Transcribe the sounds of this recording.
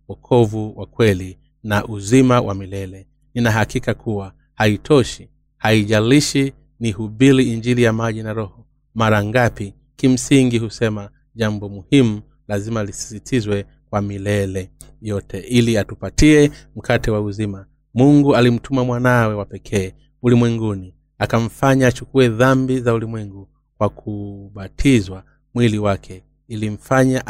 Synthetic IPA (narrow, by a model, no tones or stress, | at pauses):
wɔkʰɔvuwakwɛli | naʔuzimawʔa̰milɛlɛ | ninaɦakikakʰuwa | haitʰɔʃi̥ | haiʄaliʃi | nihuɓiɾiːɲd͡ʒiɾijamaʄinaɾɔhɔ | maɾaŋɡapi | kim̩siŋɡihusɛma | ʄambɔmuhimu | lazimalisi̥sitʰizwɛ | kwamilɛlɛ | jɔtʰɛʔiliatupatiɛm̩kʰatɛwauzima | muŋɡualim̩tʰumamwanawɛwapɛkʰɛː | ulimwɛŋɡuni | akam̩faɲaːt͡ʃukuɛðambizaulimwɛŋɡu | kwakʰuɓatʰizwa | mwiliwakʰɛ | ilim̩faɲaʔ